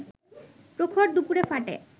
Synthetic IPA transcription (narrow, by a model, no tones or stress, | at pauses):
pɾokʰoʈ̚d̪upuɾefaʈḛ